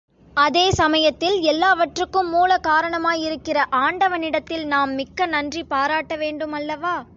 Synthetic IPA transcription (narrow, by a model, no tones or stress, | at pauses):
ɐðeːsɐmɐjɐt̪ːɪlɛlːaːʋɐʈrɯkːɯmːuːlɐkaːɾɐɳɐmaːjɪɾɯkːɪrɐʔaːɳɖɐʋɐnɪɽɐt̪ːɪlnaːmːɪkːɐnɐndripaːɾaːʈːɐʋeːɳɖɯmɐlːɐʋaː